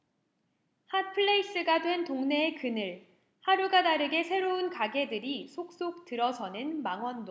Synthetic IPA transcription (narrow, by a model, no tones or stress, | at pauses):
hat̚pʰɯɭːeis͈ɯɡadwe̞ntoŋne̞ekɯnɯɭ | haɾuɡadaɾɯɡe̞sʰe̞ɾounkaɡe̞dɯɾisʰok̚s͈ok̚tɯɾʌsʰʌnɯnmaŋwʌndo